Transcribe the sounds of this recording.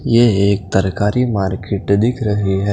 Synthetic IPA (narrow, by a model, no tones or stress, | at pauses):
jeeːk̚t̪ɐɾkaːɾimaːɾkeʈd̪ɪkʰɾɐɦiɦɛː